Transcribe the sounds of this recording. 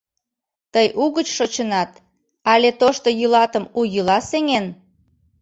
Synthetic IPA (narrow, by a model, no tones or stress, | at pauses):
t̪əjʔuɣət͡ɕʃot͡ɕənɑt̪ | ɑlet̪oʃt̪ojylɑt̪əmujəlɑseŋen